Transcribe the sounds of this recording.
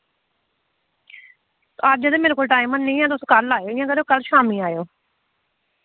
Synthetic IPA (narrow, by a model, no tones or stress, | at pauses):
aɾd͡ʒəd̪eːmeːñkoːlʈaːɪ̃mənːĩːãːt̪ʊsõːkəlːaːjoːɪjãːkəoːkəlʃaːmĩːaːjoː